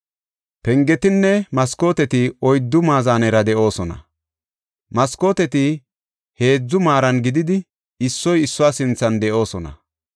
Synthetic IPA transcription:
pɛŋɡɛt̪ɪnːɛmɐsko̞ːt̪ɛt̪ɪɔjd̪ːʊmaːzaːnɛɾɐd̪ɛʔo̞ːsɔnɐ̰ | mɐsko̞ːt̪ɛt̪ɪ | he̞ːd͡zːʊmaːɾɐnɡɪd̪ɪd̪ɪ | ɪsːɔjɪsːʊwaːsɪnt͡sːɐnd̪ɛʔo̞ːsɔnɐ̰

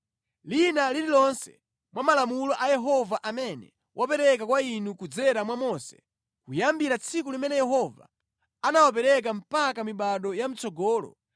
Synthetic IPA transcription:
linalililɔnsɛ̰ | mwamalamulɔʔajɛɦɔvaʔamɛnɛ | wʔapɛɾɛkakwainukud͡zɛɾamwamɔsɛ̥̰ | kujambiɾat͡sʰikulimɛnɛjɛɦɔva̰ | anawap̬ɛɾɛk̬am̩pakamiɓaɗɔjam̩t͡sɔɡɔːlɔ̰

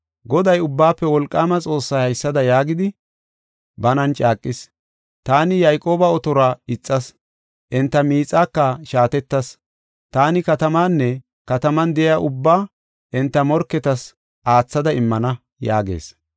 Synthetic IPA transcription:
ɡɔd̪ɐjʊbːaːpːɛwɔlkʼːaːmɐt͡sʼo̞ːsːɐjhɐjsːɐd̪ɐjaːɡɪd̪ɪ | bɐnɐnt͡ʃʼaːkʼːɪs | t̪aːnɪjɐjkʼo̞ːbɐɔt̪ɔɾaːɪt͡sʼːɐs | ʔɪnt̪ːɐmiːt͡sʼːaːkːɐʃaːt̪ɛt̪ːɐs | t̪aːnɪkɐt̪ɐmaːnːɛ | kɐt̪ɐmɐnd̪ɛɪaʔʊbːaː | ʔɪnt̪ːɐmɔɾkːɛt̪ɐs | ʔaːt͡sːɐd̪ɐɪmːɐnɐ | ja̰ːɡḛːs

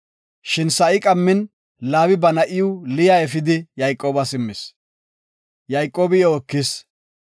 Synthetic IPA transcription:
ʃɪnsɐʔɪkʼɐmːɪn | laːwɪbɐnɐʔɪjʊlɪjaːɛfɪd̪ɪjɐjkʼːoːbɐsɪmːɪs | jɐjkʼːoːbɪjɛɔkːɪs

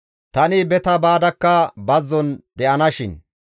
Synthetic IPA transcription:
t̪ɐnɪbɛt̪ɐbaːd̪ɐkːɐbɐzːɔnd̪ɛʔɐnɐʃɪn

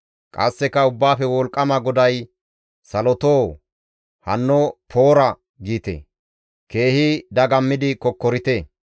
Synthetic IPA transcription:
kʼɐ̰sːɛkɐʊbːaːfɛwɔlkʼːɐmɐɡɔd̪ɐj | sɐlɔt̪oː | hɐ̰nːɔpʰoːɾɐ | ɡiːt̪ḛ | ke̞ːhɪd̪ɐɡɐmːɪd̪ɪkɔkːɔɾɪt̪e

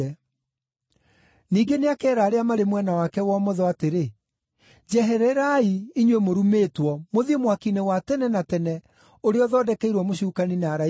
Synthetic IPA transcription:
ɛ | niːɡeneakɛːɾaːɾeamaɾemwɛnawakɛwɔmɔðɔateɾe | d͡ʑɛɦɛɾɛɾaiiɲwemoɾumeːtwɔmoðiemwakinɛwatɛnɛnatɛnɛ | oɾeɔðɔdɛkɛiɾwɔmoɕukaninaɾa

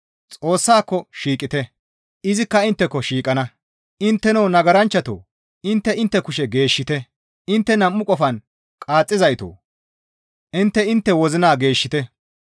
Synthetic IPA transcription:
t͡sʼo̞ːsːaːkːɔʃiːkʼːɪt̪ɛ | ʔɪzɪkːɐɪnt̪ːɛkːɔʃiːkʼɐnɐ | ʔɪnt̪ːɛnownɐɡɐɾɐnt͡ʃːɐt̪o̰ː | ɪnt̪ːɛɪnt̪ːɛkʊʃɛɡe̞ːʃːɪt̪ɛ | ɪnt̪ːɛnɐmːʊkʼɔfɐn | kʼaːt͡sʼːɪzɐjt̪o̰ː | ʔɪnt̪ːɛɪnt̪ːɛwɔzɪnaːɡe̞ːʃːɪt̪ɛ

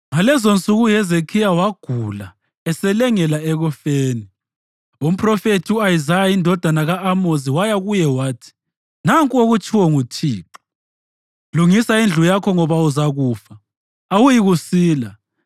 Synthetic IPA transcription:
ŋalɛzont͡sʼuɣujɛzekʰijawaɡ̥ʱula | ɛsɛlɛŋɛlaɛɣɔfeːni | um̩pʰʼrɔfetʰiuajizajaindʱɔd̥ʱanaɣaʔːmoziwajaɣujɛwaːtʰi̥ | naŋkʼoɣut͡ʃʰʼiwɔŋutʰiːǁɔ̥ | luŋisaind͡ɮʱujakʰɔŋɔβauzaɣuːfa | awujiɣusiːla

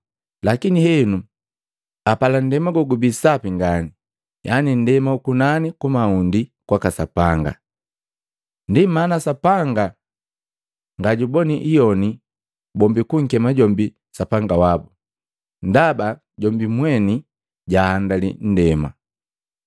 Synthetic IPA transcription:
lakinihɛnu | apalan̩dɛmaɡɔɡubisapiŋɡani | jʔanin̩dɛmaukunanikumaundikwakasapaŋɡa̰ | ndimanasapaŋɡa | ŋɡaɟubɔniʔijɔni | bɔmbikuŋ̩kɛmaɟɔmbi | sapaŋɡawabu | n̩daba | ɟɔmbimwɛni | ɟahːndalḭn̩dɛma̰

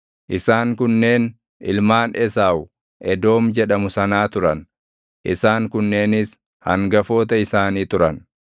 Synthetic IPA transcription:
ʔɪsaːŋkʊnːe̞ːn | ɪ̰lmaːnʔɛsaːwʊ | ʔɛd̪o̞ːmd͡ʒɛᶑɐmʊsɐnaːt̪ʊɾɐn | ʔɪsaːŋkʊnːe̞ːnɪs | hɐ̰ŋɡɐfo̞ːt̪ɐɪsaːniːt̪ʊɾɐn

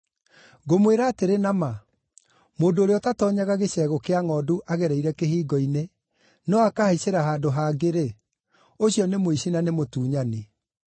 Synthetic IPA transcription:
ɡomweɾaːteɾenama | moːndoɾeɔtatɔːɲaɣaɣeɕɛːɣokeaŋɔːduʔaɣɛɾɛiɾɛkeɦiːɡɔine | nɔakaheɕeɾaɦaːdoɦaːɡeɾe | oɕiɔnemoiɕinanemotuːɲane

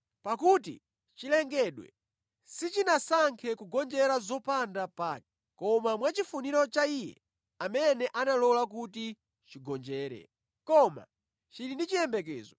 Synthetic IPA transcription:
pakutḭ | t͡ʃilɛŋɡɛɗwɛ̰ | sit͡ʃinasaŋkʰɛkuɡɔnd͡ʒɛɾazɔpandapaːkɛ̥ | kɔmamwat͡ʃifuniɾɔt͡ʃaijɛ̰ | amɛnɛʔanalɔlak̬uti | t͡ʃiɡɔnd͡ʒɛːɾɛ̰ | kɔma̰ | t͡ʃiɾindit͡ʃijɛmbɛk̬ɛːzɔ

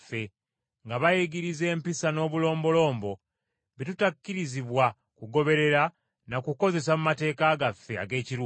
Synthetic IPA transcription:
fːe̞ | ŋɡaβajeɡiɾize̞ːmpisano̞ːβulo̞ːmbo̞lo̞ːmbo̞ | βitutakːiɾiziβwa | kuɡo̞βe̞ɾe̞ɾa | nakuko̞ze̞s̬amumate̞ːkaɡafːe̞a̰ɡe̞ːciɾuː

